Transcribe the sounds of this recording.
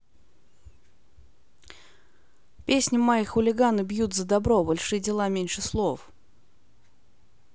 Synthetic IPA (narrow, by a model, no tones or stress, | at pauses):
pʲesʲnʲɪmajixʊlʲɪɡanɨbjut̪zəd̪ɐbɾobɐlʲʂɨjədʲɪlˠamʲenʲʂɨslˠof